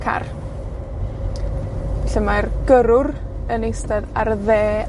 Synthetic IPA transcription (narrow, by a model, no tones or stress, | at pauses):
kʰa̰r | ɬəmajrɡ̥əɾʊrənejstɛðarðeː